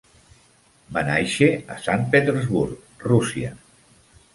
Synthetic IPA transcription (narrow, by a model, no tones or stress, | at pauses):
banajʃeasanpet̪eɾzβuɾk | rusia̰